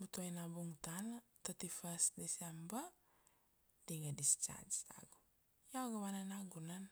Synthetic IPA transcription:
but̪ujnabuŋt̪al | t̪at̪ifasdisamba | diŋadist͡ʃa̰d͡ʒt̪a̰ɡu | jawɡawananaɡunan

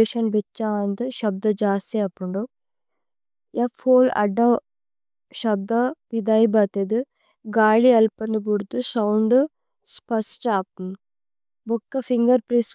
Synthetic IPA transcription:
eʃɐnbet͡ʃːaːɐnd̪uʃɐb̚d̪ɐd͡ʒaːst̪iɐpːuɳɖu | japʰoːlɐ̰ɖːɐ | ʃɐb̚d̪ɐʋid̪aːjbɐt̪ed̪ɨ | ɡaːɭiɐlpɐnubuɽt̪usɐwɳɖ | spɐsʈaːp̚n | bɔkːɐpʰiŋɡɐɾpɾis

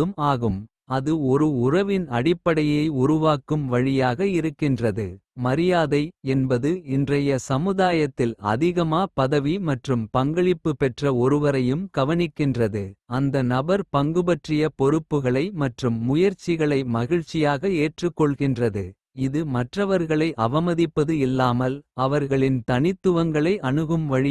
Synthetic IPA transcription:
ɯmaːɣɯm | ɐðɯɔɾɯʊrɐʋɪnɐɽɪpːɐɽɐjɐɪʊɾʊʋaːkɯmʋɐɻɪjaːɣɐɪɾɯkːɪndrɐðɯmɐɾɪjaːðɐɪɛnbɐðɯɪndrɐjɐsɐmɯðaːjɐt̪ːɪlɐ̰ðɪɣɐmaːpɐðɐʋimɐʈrɯmpɐŋɡɐɭɪpːɯpɛʈrɐɔɾɯʋɐɾɐjɯmkɐʋɐnɪkːɪndrɐðɯɐnd̪ɐnɐbɐɾpɐŋɡɯbɐʈrɪjɐpɔɾɯpːɯɣɐɭɐɪmɐʈrɯmːʊjɐɾt͡ʃːɪɣɐɭɐɪmɐɣɪɻt͡ʃːɪjaːɣɐeːʈrɯkːɔɭɣɪndrɐðɯ | ɪðɯmɐʈrɐʋɐɾɣɐɭɐɪʔɐʋɐmɐðɪpːɐðɯɪlːaːmɐlɐʋɐɾɣɐɭɪnt̪ɐnɪt̪ːɯʋɐŋɡɐɭɐɪʔɐnɯɣɯmʋɐɻɪ

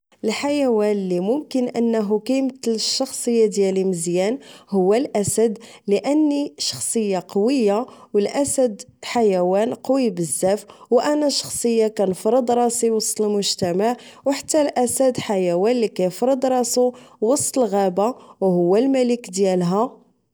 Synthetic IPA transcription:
ʔəlħajæwænlimʊmkənʔə̰nːəɦukæjmt̪lʃːɑxsˤəjːad̪jæliməzjænhʊwːælʔæsæd̪ləʔənːiʃɑ̥xsˤəjːaqɑwəjːawəlʔæsæd̪ħajæwænqɑwibəzːæfwʔænæʃɑ̥xsˤəjːakænfɾəd̪ɾˤɑsiwɑsˤt̪ˤəlmʊʒt̪æmaʕwħat̪ːælʔæsæd̪ħajæwænlikæjfɾˤəd̪ˤɾˤɑsuwɑsˤt̪ˤəlɣæbawhʊwːælmæləkd̪jælɦæ

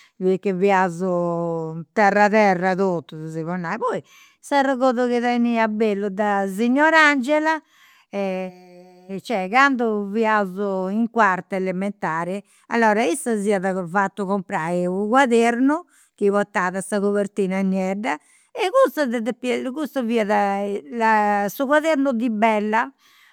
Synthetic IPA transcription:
vikːɛviazu | t̪ɛrːaðɛrːaðot̪ːuziβɔnːajpɔːi | saraɣoːðuɣiðɛniabelːud̪aziɲːɔɾand͡ʒɛla | ɛ | t͡ʃɛkand̪uviazuiŋkwaɾt̪aɛlɛmɛnt̪aːɾi | alːɔːɾaisaziːaðafat̪ːuɣɔmpɾaiuɣwaðeɾnu | k̟iβɔt̪ːaːðasaɣoβeɾt̪iːnanjɛɖa | ɛkust̪aðɛðɛpkust̪aviːaðalasuɣwaðeɾnuðibɛlːa

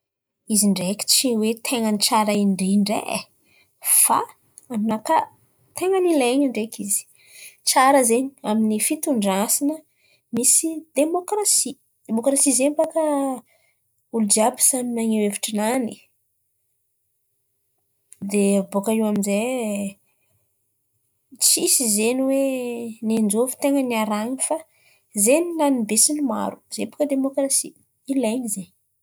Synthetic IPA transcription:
iziɳɖ͡ʐeki̥t͡ʃiwet̪ʰeŋənit͡ʃaɾaiɳɖ͡ʐiɳɖ͡ʐḛ | fa̰ | aminaka | t̪eŋənileɲaɳɖ͡ʐekʰizi̥ | t͡ʃaɾəzeɲaminifit̪uɳɖ͡ʐasinə | misid̪emokrasi | d̪emokɾasizembakə | ulud͡ʒiabi̥saninaŋeweviʈ͡ʂinani | d̪eabokaiwaminze | t͡sisizeniwenend͡ʒovi̥t̪eŋənaɾanifa | zeninanib̪esinima̰ɾu̥zempḁkəd̪emokrasi | ilajnizeɲ

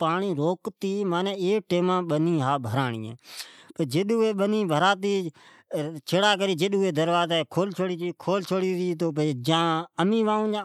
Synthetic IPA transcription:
paːɳiːɾoːkt̪iːmãːnẽːeːk̚ʈeːmãːɓəniːɦaːbʱəɾaːɳḭːḛ̃ːpəd͡ʒɪɗuːeːɓənĩːbʱəɾaːt̪̬iː | t͡ʃʰəɽaːk̬əɾiːd͡ʒeɗuːeːd̪əɾʋaːzeːkʰoːlt͡ʃʰoːɽiːt͡ʃiːkʰoːlt͡ʃʰoːɽiːɾiːt̪oːpəd͡ʒãːəmĩːʋaːũːd͡ʒãː

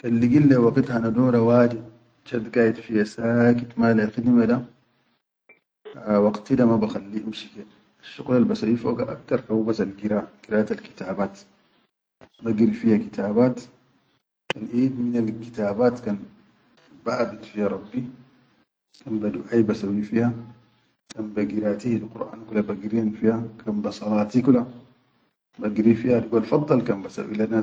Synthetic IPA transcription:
kalːiɡilːewaɡit̪hanad̪oːɾawaːdi | t͡ʃad̪ɡaːjid̪fihasakit̪malaxid̪mad̪a | wɑɡt̪id̪amabaxalːiʔimʃike | aʃːuɣlalbasawifoːɡaʔa̰k̚t̪ɑɾˤkawbasalɡiɾaːɡ̥iɾajat̪alki̥t̪aːbaːt̪ | maɡiɾifihakit̪ʰaːbaːt̪ | kanʔiːd̪minalki̥t̪aːbaːt̪kan | baʔabit̪fihɾˤɑbːi | kanbad̪uʕajbasawifiha | kanbaɡiɾaːt̪ihlquɾʔa̰ːnkulabaɡiɾiːnfihakʰanbasˤɑlɑːt̪ikula | baɡɾifihad̪iɡalfɑd̪ˤːɑlkanbasa̰wʔḭlanːa

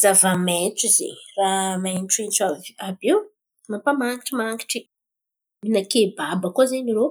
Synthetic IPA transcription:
z̥avamet͡sizḛramanʈ͡ʂuint͡saabew | mapamaŋɡiʈ͡ʂimaŋɡi̥ʈ͡ʂi | minakebabəkozeɲiɾo

